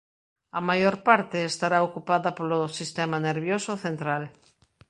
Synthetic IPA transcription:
ɐmajoɾpaɾt̪eːst̪aɾaokupaðɐpolosist̪ɛmaneɾβjosoθent̪ɾal

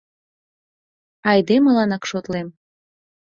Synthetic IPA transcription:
ɑjd̪emɤlɑnɑkʃot̪lem

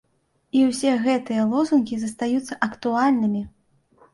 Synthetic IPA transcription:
iwsʲɛɣɛt̪ɨjɐlˠɔzunkʲizɐst̪ajut̪sːɐʔɐkt̪ualʲnɨmʲi

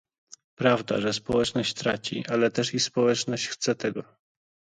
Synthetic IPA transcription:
pɾavd̪a̰ʐɛspɔwɛt͡ʂnɔɕt͡ɕt̪ɾat͡ɕḭʔalɛt̪ɛʂispɔwɛt͡ʂnɔɕt͡ɕxt̪sɛt̪ɛɡɔ

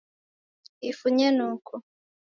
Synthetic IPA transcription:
ifuɲenuːkʰo

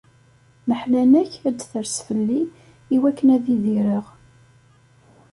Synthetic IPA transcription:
nəħlænæçæd̪θəɾsfəlːiː | wækːənæðiðiɾəʁ

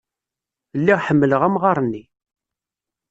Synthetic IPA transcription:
lːiʁħəmːələʁæmʁɑɾˤənːi

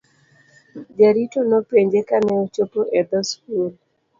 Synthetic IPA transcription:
d͡ʒaɾitonopeɲd͡ʒekanɛot͡ʃopoʔɛd̪ɔskol

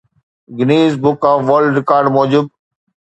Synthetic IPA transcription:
ɡɪneːzbʊkaːfʋəlɖɾɪkaːɾɖmɔːd͡ʑʊb̚

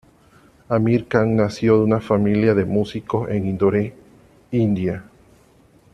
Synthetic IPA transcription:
amiɾkaŋnasjoðeunafamiljaðemusikoseŋĩnd̪oɾe | ind̪ja

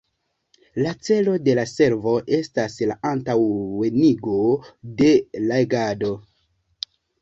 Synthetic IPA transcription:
lat͡se̞lo̞de̞lase̞ɾvo̞ʔe̞staslaʔantaweniɡo̞de̞lajɡado̞

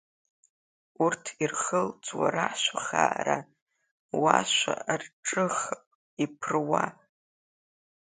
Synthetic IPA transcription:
urtʰirχəlt͡sʰʼwa̰ɾaħʃʷaχa̰ɾa | waʃʷa̰rʈ͡ʂʼɨχpʼ | ipʰrwa

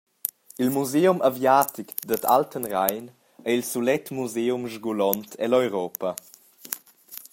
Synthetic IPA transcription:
ilmuzeumʔavjaːt̪ikd̪ət̪ʰa̰ltənrajn | əilsulɛt̪muzeːumʒɡulɔnt̪ʰɛlɔjɾɔːpə

